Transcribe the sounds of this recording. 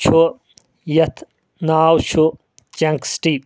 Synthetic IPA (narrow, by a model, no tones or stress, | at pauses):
t͡ʃʰu | jɐt̪ʰ | naːwt͡ʃʰu | t͡ʃɐŋksʈi